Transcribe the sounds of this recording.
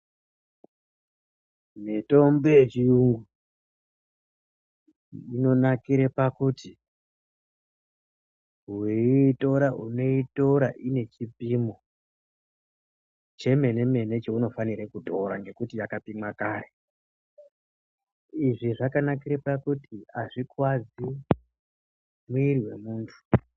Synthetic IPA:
neto̞mbejet͡ʃijuŋɡu | ino̞nakiɾepakuti | weto̞ɾauno̞ito̞ɾaʔine̞t͡ʃipimo | t͡ʃe̞me̞ne̞me̞ne̞t͡ʃeuno̞faniɾekuto̞ɾaŋɡe̞kutijakapimwakaːre | iʐiʐakanak̬iɾepakutiaʐikwad͡zi | muiriwe̞̰muːntʰu̥

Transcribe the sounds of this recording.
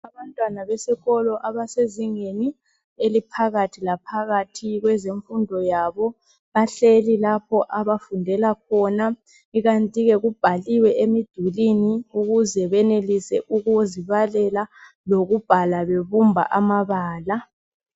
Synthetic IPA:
aβantʼwanaβɛsɛɣɔlɔʔaβaseziŋeni | elipʰaɣatʰilapʰaɣatʰiɣwɛzeɱfundʱɔjaːβɔ | βaɬelilapʰɔʔaβafundʱɛlak̚ʰɔna | iɣantʼiɣɛɣub̥ʱaliwɛʔemid̥ʱuliniuɣuzɛβɛnelisɛʔuɣuoziβalɛla | loɣub̥ʱalaβeβumbʱa̰ʔamaβaːla

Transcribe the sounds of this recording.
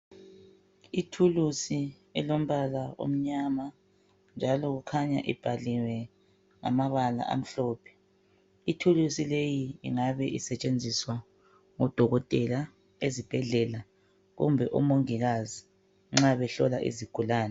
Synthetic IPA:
itʰulusi | ɛlom̩βalao̰m̩ɲama | nd͡ʒʱalɔɣukʰaɲa̰ʔḭb̥ʱaliwɛ | ŋa̰maβala̰ʔa̰m̩ɬɔːpʰɛ̥ | itʰulusilejiḭŋaβɛʔisɛt͡ʃʼend͡zʱiswa | ŋɔd̥ʱɔɣɔtʼɛla | ezib̥ʱɛɮɛla | ɣṵmbʱɛʔṵmoŋiɣazi | ŋ͡ǁaβɛɬɔ̰laʔḭziɡ̥ʱulaːnɛ

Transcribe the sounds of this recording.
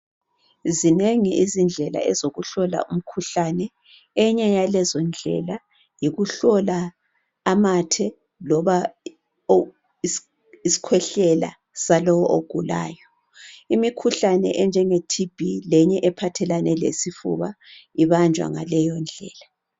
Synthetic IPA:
zineŋiizind͡ɮʱɛla̰ɛzoɣuɬɔla̰ʔum̩kʰuɬanɛ | ɛɲɛjalɛzɔnd͡ɮʱɛ̰la | jiɣuɬɔlaː | matʰɛ | lɔβa | isi̥kʰwɛɬɛla̰ | salɔwɔʔoɡ̥ʱula̰ːjɔ | imikʰuɬanɛ̰ʔɛnd͡ʒʱɛŋetʰib̥ʱilɛɲɛʔɛpʰatʰɛlanɛlḛsifṵβaiβand͡ʒʱwa̰ŋa̰lɛjɔnd͡ɮʱɛ̰ːla

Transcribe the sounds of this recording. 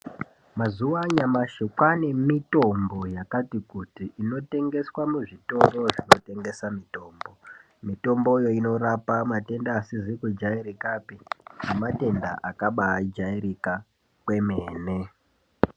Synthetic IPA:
mazuwaɲamaʃekwane̞mito̞mbo̞jakatikutiʔino̞te̞ŋɡe̞swamuʐito̞ro̞ʐino̞te̞ŋɡe̞samito̞ːmbo̞ | mito̞mbo̞jo̞ino̞rapamate̞ndaːsizikud͡ʒaiɾikapiamate̞nda̰ʔakaɓad͡ʒaiɾika | kwe̞meːne̞

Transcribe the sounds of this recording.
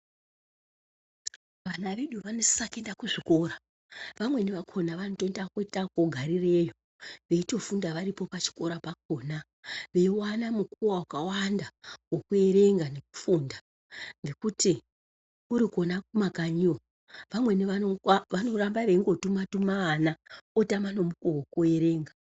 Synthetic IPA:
ʋanaʋe̞ɗuʋano̞sakendakuʐiko̞ɾa | ʋamwe̞neʋakʰo̞naʋanotondakoitakoɡʱaɾire̞jo | ʋe̞ito̞fundaʋaɾipo̞pat͡ʃi̥ko̞ɾapak̚o̞na | ʋe̞iwanamukuwawakawandawokue̞ɾe̞ŋɡane̞ku̥funda | ŋɡe̞kuti | uɾiko̞nakumakaɲio | ʋamwe̞niʋaoʋano̞rambaʋe̞iŋɡo̞tumatumaːnaotamano̞mukowokue̞ɾe̞ːŋɡa

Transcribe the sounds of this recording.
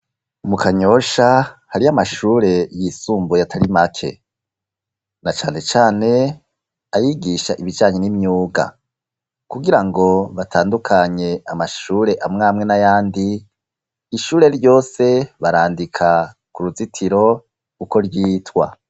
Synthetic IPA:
mukaɲo̞ʃahaɾiamaʃuːɾe̞jisuːmbojatʰaɾimakʰḛ | nat͡ʃaːne̞t͡ʃaːne̞ | ajiɡiʃaʔiβid͡ʒaːɲenimɲuːɡa̰ | kuɡiɾaŋɡo̞βatʰaːndukʰaɲe̞amaʃuːɾe̞ʔamŋaːmŋe̞najaːndiː | ʃuːɾe̞ɾjo̞ːse̞βaɾaːndikʰa | kuɾuzitʰiɾo̞ | kuko̞ɾjiːtwa̰

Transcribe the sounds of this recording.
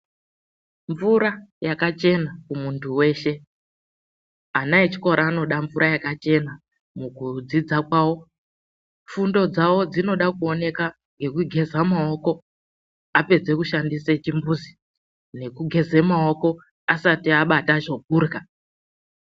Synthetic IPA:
ɱvuɾajakat͡ʃe̞nakumuntʰuwe̞ːʃe̞ | anaet͡ʃi̥ko̞ɾaːno̞ɗaɱvuɾʔajakat͡ʃe̞na | mukud͡zid͡zakwaːwo̞ | fundo̞d͡zawo̞d͡zino̞ɗakuo̞ne̞ka | ŋɡe̞kuɡʱe̞zamao̞ko̞ | ape̞d͡ze̞kuʃandiset͡ʃimbuzi | ne̞kuɡʱe̞ze̞mao̞ko̞ | asatiaɓataʐo̞ɡ̚ʱuːrka

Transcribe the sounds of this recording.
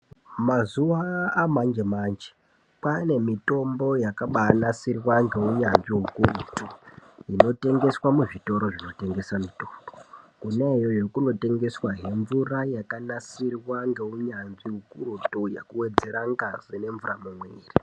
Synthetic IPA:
mazuʋaːmand͡ʒemaːnd͡ʒe̥ | pane̞mito̞mbo̞jakaɓanasirwaŋɡe̞uɲanʐiɦukurutuino̞te̞ŋɡe̞swamuʐito̞ɾo̞ʐino̞te̞ŋɡe̞samito̥mbokunejo̞jo̞kuno̞te̞ŋɡe̞swaɦe̞ɱvurajakanasirwaŋɡe̞uɲanziɦukurutuja̰kuwe̞d͡ze̞ɾaŋɡaz̥ine̞ɱvuramumweːri

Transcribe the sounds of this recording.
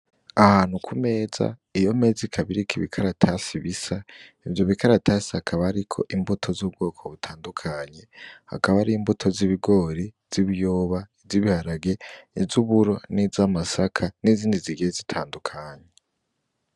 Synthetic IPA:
ahaːn̥hukʰume̞ːz̥a̰ijo̞me̞zikʰaβiɾikʰiβḭkʰaɾatʰasiβisa | ivjo̞βikaɾatʰaːsahakʰaβaːɾikʰo̞̰ʔimbutʰo̞zub̚ɡo̞ːkʰo̞βutʰaːndukʰaɲe̞ha̰kaβaɾimbutʰo̞ziβiɡo̞ɾiz̥iβijoːβaiziβihaɾaɡe̞izuβuɾo̞nizamasakʰaniziːndiziɡezitʰaːndukʰaːɲe

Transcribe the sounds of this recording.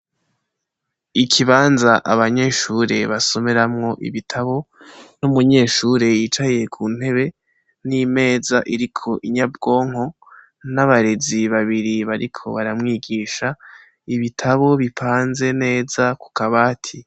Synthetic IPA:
ikʰiβaːnzaʔa̰βaɲe̞ʃuɾe̞βaso̞meɾamŋo̞ʔḭβitʰaβo̞ | numuɲe̞ːʃuɾe̞jiːt͡ʃaje̞kʰuːn̥he̞βe̞ | nime̞ːzaʔiɾikʰo̞ʔiɲabɡo̞ːŋ̥o̞ | naβaɾe̞ziβaβiɾiβaɾikʰo̞̰βaɾamŋiːɡiːʃa | iβitʰaβo̞βipʰaːnze̞ne̞ːzaku̥kaβaːtʰi

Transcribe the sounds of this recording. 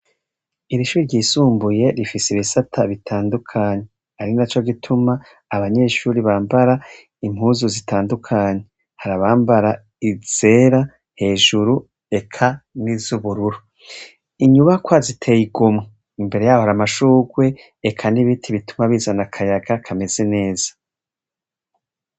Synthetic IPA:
iɾiʃuːɾiɾɟiːsuːmbuje̞ɾifiseiβisatʰaβitʰaːndukʰaːɲe̞ | haɾinat͡ʃo̞ɡitʰumaː | βaɲe̞ʃuːɾiβaːmbaɾa | im̥huːzuzitaːndukʰaːɲe̞ | haɾaβaːmbaɾa | iz̥e̞ːɾa | he̞ːʒuɾu | e̞kʰanizuβuɾuɾu | iɲuβakwazitʰe̞ːjiɡomŋe | imbe̞ɾe̞jaːhoaɾamaʃuːɡwe̞ː | kʰaniβitʰiβitumaβiːzanakʰajaɡakʰame̞ze̞ne̞ːz̥ḁ

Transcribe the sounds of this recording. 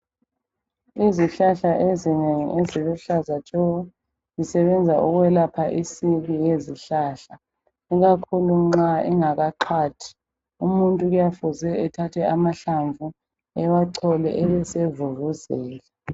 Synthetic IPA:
iziɬaɬaʔezineŋḭʔezilɔɬazat͡ʃʼɔ | zisɛβɛnd͡zʱaʔuɣwɛlapʰaʔisiβijeziɬaːɬa | iɣakʰuluŋ͡ǁaiŋaɣaǃʰaːtʰi̥ | umuntʼuɣujafuzɛɛtʰatʰɛʔamaɬaɱvu | ɛwaǀʰɔlɛ̰ʔɛβɛsevuruzɛːlɛ

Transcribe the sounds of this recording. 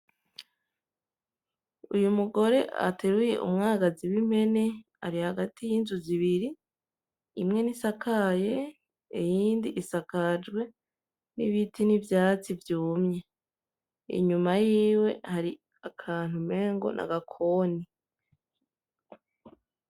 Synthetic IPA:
ṵjumuɡo̞ɾe̞ʔa̰tʰeɾujḛʔṵmŋaːɡaziwim̥e̞ne̞ | a̰ɾihaɡatijiːnzuziβiɾi | imŋe̞nisakʰaje̞ | ijiːndiʔːsakad͡ʒɡwe̞ | nḭβitinivjaːt͡sivjuːmɲe̞ | ḭɲumajiːwe̞̰haɾi | akʰaːn̥hume̞ːŋɡo̞̰nʔa̰ɡakʰoːni

